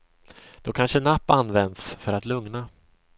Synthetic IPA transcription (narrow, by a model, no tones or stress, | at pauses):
d̪̥ɔkʰanʂənapːanːvɛnd̪sfœɾat̪lɵŋna